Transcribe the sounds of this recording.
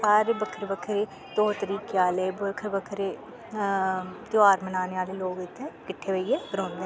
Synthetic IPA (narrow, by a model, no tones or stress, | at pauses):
aːɾeːbəkʰəɾbəkʰɾeː | t̪oːt̪əɾiːkeaːleːbəkʰəɾbəkʰɾeː | t̪oaːɾmənaːneːaːleːloːɡɪt̪ʰːẽːkɪʈʰːeːʋəiːeːbəɾõːnd̪eː